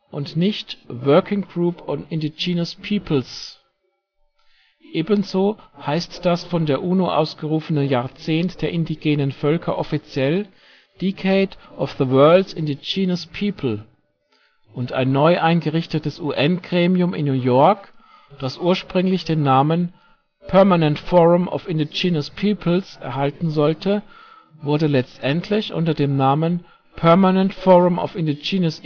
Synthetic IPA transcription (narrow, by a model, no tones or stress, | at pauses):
ʔʊntnɪçtvɜɐkɪŋɡʁuːpʰɔnɪndid͡ʒiːnəspʰiːpʰl̩s | ʔeːbənzoːhaɪstd̥asfɔndeːɐʔuːnoʔa̰ʊsɡ̥əʁuːfənənjaːɐt͡seːntd̥eːɐʔɪndiɡeːnənfœlkʰɐʔɔfit͡sjɛl | d̥ikʰeɪdʔɔfðəwɜɐldsɪndid͡ʒiːnəspʰiːpʰl̩ | ʔʊnta̰ɪnːɔʏʔaɪnɡəʁɪçtətəsʔuːʔɛnɡ̥ʁeːmiʊmɪ̰nːuːjɔɐk | d̥asʔuːɐʃpʁ̥ʏŋlɪçd̥eːnːaːmən | pʰœɐmanɛntfɔʁʊmʔɔ̰fɪndid͡ʒiːnəspʰiːpʰl̩sɛ̰ɐɦaltn̩zɔltʰə | vʊɐdəlɛt͡stʔɛntʰlɪçʔʊ̰ntɐdeːmnaːmən | pʰɛɐmanɛntfɔʁʊmɔ̰fɪndid͡ʒiːnəs